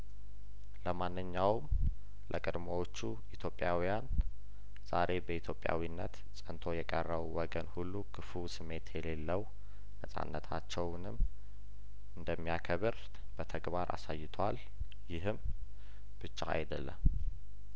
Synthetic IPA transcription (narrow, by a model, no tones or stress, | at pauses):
ləmanːɨɲːawm | lʔəkʼɨd̪məwo̞t͡ʃːu | it̪ʰjo̞pʼːjawijan | z̥aɾe̞bəit̪ʰjo̞pʼja̰winːə̰t̪ | sʼənt̪ʰo̞jɛkʼərːəβwɔɡənhulːukʰɨfusɨmːe̞t̪ʰjɛle̞lːəw | nəsʼa̰nːət̪ʰat͡ʃːɛwnɨm | ɨnd̪əmːijakʰəβɨɾ | b̥ət̪ʰəɡbaɾʔa̰sajːɪt̪ʰwal | jɪɦɨm | b̥ɨt͡ʃːaa̰jd̪əlːə̰m